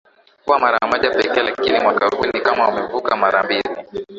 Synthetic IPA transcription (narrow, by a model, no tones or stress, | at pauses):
kuwamaɾamɔʄapɛkɛlakinimwakahunikamaumɛvukamaɾambili